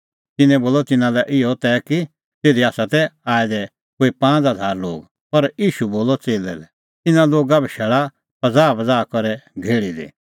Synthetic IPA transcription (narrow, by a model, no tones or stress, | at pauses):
t̪ɪnɛ̃boːlɔt̪ɪnãlɛʔɪɔt̪ɛːki | t̪eːd̪iaːsat̪ɛaːɛd̪ɛ | koːipãːt͡sɦɐd̪ʱaːɾlo̰ːɡ | pɐɾjiːʃuboːlɔt͡seːlɛ̰lɛ | t̪ɪnãloːɡabɛʃɛːɭa | pɐd͡zaːbɐd͡zaːkɔɾɛɡʱeːɭid̪ḛː